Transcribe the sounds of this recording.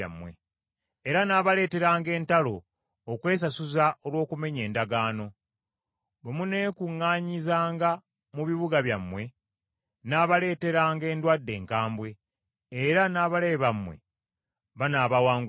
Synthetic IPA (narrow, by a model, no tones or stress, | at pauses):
a̰mːwḛ | eɾanaːβale̞ːte̞ɾaːŋɡe̞ːntalo̞ː | kwe̞ːs̬asuzao̞lwo̞ːkume̞ɲe̞ːndaɡaːno̞ | βemune̞ːkuŋːaːɲizaːŋɡa | muβiβuɡaβjamːwe̞ | naːβale̞ːte̞ɾaːŋɡe̞ːndwadːe̞ːŋkaːmbwe̞ː | ɾanaːβale̞βamːwḛ | βanaːβawaːŋɡ